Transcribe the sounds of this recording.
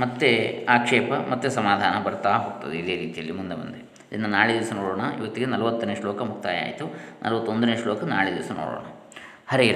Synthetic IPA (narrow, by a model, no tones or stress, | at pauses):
mɐt̪ːeaːkʂɛːpɐmɐt̪ːesɐmaːd̪ʱaːnɐbɐɾt̪aːɦoːɡut̪ɐd̪eid̪e̞ːɾiːt̪ijɐlːimund̪emɐ̰nd̪e | id̪inːɐnaːɭed̪iʋɐsɐnoːɽoːɳɐḭʋɐt̪ːiɡenɐlɐʋɐt̪ːuneːʂloːkɐmukt̪aːja̰ːjit̪unʔɐ̰lʋɐt̪ːond̪uneːʂloːkɐnaːɭed̪iʋɐsɐno̰ːɽo̰ːɳɐ | hɐɾeiɾ